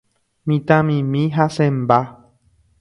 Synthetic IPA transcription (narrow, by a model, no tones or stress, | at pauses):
mĩt̪ãmĩmĩɦasẽmba